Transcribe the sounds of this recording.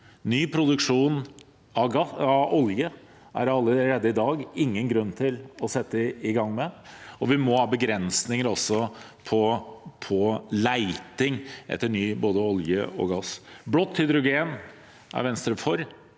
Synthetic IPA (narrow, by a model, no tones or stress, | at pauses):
nyːpʰɾʊd̪ʉkʂuːn | ɑɡɑɑɔljə | ʔæ̰ɾɑlːəɾeːd̪ːəɪd̪ɑːɡɪŋːənɡɾʉnːt̪ʰɪlɔsɛt̪ːəɪɡɑŋːmɛɔʋɪmɔhɑːbəɡɾɛnsnɪŋəɾɔsːɔ | pʰɔpʰɔlæɪt̪ɪŋʔɛ̰t̪ːəɳyːboːd̪əɔljə̰ɔ̰ɡɑsblɔt̪ːhʏd̪ɾʊɡeːn | æ̰ɾʋɛnst̪ɾəfɔɾ